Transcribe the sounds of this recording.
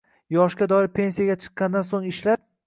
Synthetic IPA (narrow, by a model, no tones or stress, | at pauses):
jɒʃɡʲad̪ɒɪɾpʰe̞nsijaɡʲat͡ʃʰɨ̥qːɑnd̪ansoŋɪʃlap̚